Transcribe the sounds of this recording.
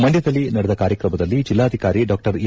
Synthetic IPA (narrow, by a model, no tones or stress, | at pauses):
mɐɳɖjɐd̪ɐlːinɐɽɛd̪ɐkaːɾjɐkɾɐmɐd̪ɐlːid͡ʒilːaːɐd̪ʱikaːɾiɖaːk̚ʈɐɾi